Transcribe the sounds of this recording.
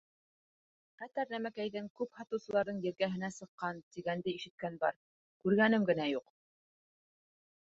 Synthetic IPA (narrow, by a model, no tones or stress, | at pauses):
qæt̪æɾnæmækæjðɘŋkʉphɑt̪ɤ̆wsɤ̆lˠɑɾðɤɴjɘ̆ɾɡæɦɘ̆næsɤ̆qːɑnt̪iɡænd̪ɘiʃɘ̆t̪̚kænbɑ̰ɾ | kʉɾɡænɘmɡɘ̆næjuq